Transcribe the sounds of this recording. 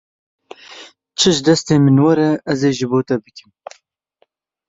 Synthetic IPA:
t͡ʃʰɨʒd̪ɛst̪eːmɨnwɐɾɐɐzeːʒɨboːt̪ɐbɨkʲɨm

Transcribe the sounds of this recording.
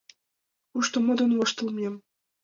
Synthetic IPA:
uʂt̪ɤ̆mɤ̆d̪ɤ̆nvɤ̆ʃt̪ɤ̆lˠmʲem

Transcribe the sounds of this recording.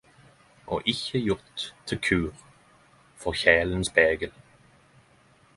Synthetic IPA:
ʔɔ̰ʔɪçəjʊʁt̪ʰːɪlkʰʉːʁ | fɔʁçɛːlənsb̥ɛːɡəl

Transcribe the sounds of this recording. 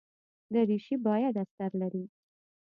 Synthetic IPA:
d̪əɾiʃibɑjad̪ast̪aɾlaɾi

